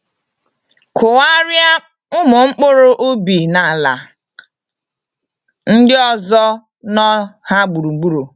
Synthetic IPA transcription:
kʰʊ˨wa˦ɾja˦ | ʊ˦mʊ˨ŋ͡m̩˦k͡pʊ˦ɾʊ˦ʔo˦bi˨na˨la˨ | n̩˦dɪ˦ɔ˦zɔ˦ | nɔ˦ha˦ɡ͡bu˨ɾu˨ŋ͡m̩˨ɡ͡bu˦ɾu˨

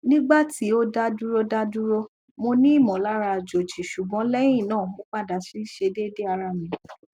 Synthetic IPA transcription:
nĩ˦ɡ͡ba˦˨ti˨˦o˦da˦du˦ɾo˦da˦du˦ɾo˧ | mo˧nĩ˦i˦˨mɔ̃˨la˨˦ɾa˧˨d͡ʒo˨t͡ʃi˨ʃu˨ɡ͡bɔ̃˨˦lɛ̃˦ĩ˦˨nãː˦˨mõ˦k͡pa˦˨da˨si˦ʃe˧de˦de˦a˧ɾa˧mĩ˨

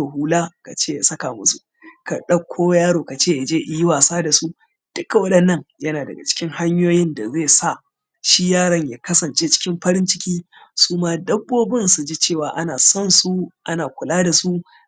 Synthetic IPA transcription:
o˨huː˦laː˦ka˨t͡ʃeː˦ja˨sɐ˦ka˨mʊ˦su˨ | ka̰˨ɗɐ˦kʷʰːoː˦jaː˦ɽoː˨ka˨t͡ʃeː˦ja˨d͡ʒeː˦ʔɪ˨˦ji˦waː˨saː˦da˨su˦ | d̥ʊ˦kːa˨wɐ˦ɗɐ˨nːɐ˦ŋjɐ˦naː˨dɐ̰˨ɡa̰˨t͡ʃɪ̥˦kʲɪ˦ŋha˦ɲjoː˦jɪ˦nda˨zeː˦˨sa˦˨ | ʃi˦jaː˦˨ɽɐ˦ɲjaː˨kɐ˦sɐ˨nt͡ʃeː˦t͡ʃɪ̥˦kʲɪ˦mɸɐ˦ɾɪ˦nt͡ʃɪ̥˦kʲiː˦ | suː˦maː˦dɐ˦bːoː˦bɪ˦nsu˨d͡ʒi˦t͡ʃeː˦˨waː˨ʔa˦naː˨sɔ˦˨nsu˦ʔa˦naː˨kʷʊ˨laː˦da˨su˦

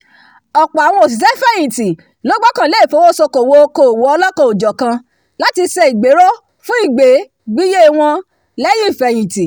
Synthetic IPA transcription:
ɔ˨k͡pa˨a˨w̃ɔ̃˧o˨s̬i˨s̬ɛ˦fɛ˦j̃ĩ˨ti˨ | lo˨˦ɡ͡bɔ˦kã˨le˨˦i˦˨fo˨˦wo˦so˧ko˨wo˧˦ko˦˨wo˨ɔ˧lɔ˦kã˧o˨d͡ʒɔ˨kã˧ | la˦ti˧sɛ˧i˨ɡ͡be˨˦ɾo˦ | fũ˦i˦˨ɡ͡be˨˦ | ɡ͡bi˦je˦˨w̃ɔ̃˧ | lɛ˦ji˦˨fɛ˨j̃ĩ˨ti˨

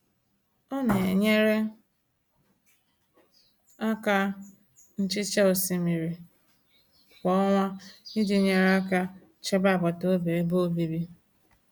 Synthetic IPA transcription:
ɔ˦ne˨e˨ɲe˦ɾe˦ | a˦ka˦ | n̩˦t͡ʃɪ˦t͡ʃe˦o˨si˨mi˨ɾi˨ | kɔ˦ŋʷa˦ni˦dɪ˨ɲe˦ɾe˦a˦ka˦ | t͡ʃe˦ba˦˨bɔ˨to˦be˨˦bo˦bi˨bi˦

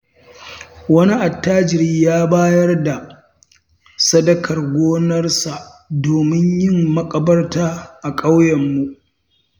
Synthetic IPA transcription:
wɐ˦ni˦ʔa˨tːaː˦d͡ʒɪ˨ɾiː˦jaː˦baː˦jɐ˦rda˨ | sɐ˦dɐ˦kʰɐ˨rɡʷoː˦nɐ˦rsa˨ʔ | doː˨mɪ˦ɲjɪ˦mːɐ˦kʼɐ˨bɐ˦rtaː˦ʔa˨kʼa˦wjɐ˨mːu˦ʔ

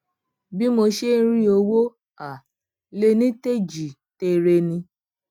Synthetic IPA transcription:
bi˦mo˧ʃe˦n̩˦ɾĩ˦o˧wo˦ | a˨ | le˦˧nĩ˦te˦d͡ʒi˨ | te˧ɾe˧nĩ˧

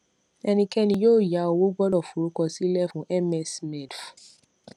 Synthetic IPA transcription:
ɛ˧nĩ˧kɛ˦nĩ˧jo˦˨ja˨˦o˧wo˦ɡ͡bɔ˦dɔ˨fu˨ɾu˦kɔ˧si˦lɛ˦fũ˦ʔɛ˦mɛ˨smɛ˨df

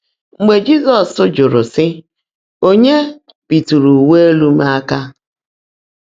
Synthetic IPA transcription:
ŋ͡m̩˨ɡ͡be˨d͡ʒi˦zɔ˨sʊ˦d͡ʒʊ˨ɾʊ˨sɪ˦ | o˦ɲe˦ | pi˨tu˨ɾu˨we˦e˦lu˦ma˦a˦ka˦

